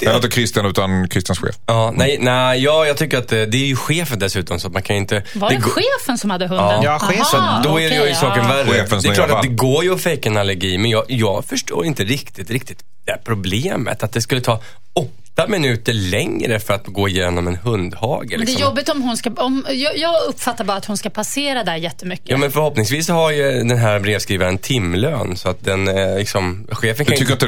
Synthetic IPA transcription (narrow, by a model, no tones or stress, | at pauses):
d̪ɪt̪əkʰɾɪst̪ɪanʉ̟ːt̪ankʰɾɪst̪janɧḛːfɑːnɛjnɛjɑːjɑːt̪ʰʏkːəɾat̪̚d̪ɛd̪ɛːɾjɵɧeːfənd̪ɛsʉ̟ːt̪ɔmsɔat̪mankʰanjʏɪnt̪əvad̪ɛɡɧeːfənsɔmhad̪ːəɦɵnɑːjɧeːsɔd̪ɔæɾɛjjsɑːkənvæɾːəeːfənsd̪ɛlɑːɾad̪ɛɡoːɾjəɔfɛjkaɛnalːɛɾɡiːmɛnjɑjɑːɡfœʂʈo̰ːɾɪnt̪əɾɪkt̪ɪt̪ɾɪkt̪ɪt̪ | d̪̥ɛæpʰɾʊbleːmə̰t̪at̪̚d̪ɛskɵlːət̪ʰɑː | ɔt̪ːamɪnʉ̟ːt̪əɭɛŋɾəfœɾat̪ɡoːɪjeːnɔmɛnhɵnd̪hɑ̰ːɡəlɪd̪ɛsɛjɔbːɪt̪ɔmɦʊnskaɔmjɑjɑːɡɵpːfat̪ːaɾbɑːɾat̪hʊnskapʰaseːɾad̪æjɛt̪ːəmʏkːəːmɛnfœɾhɔpnɪŋsviːshaɾjɵd̪ɛnɦæːɾbɾeːvskɾiːvaɾənt̪ʰɪmːløːnsɔat̪̚d̪ɛnlɪksɔmɧeːfənkʰaːt̪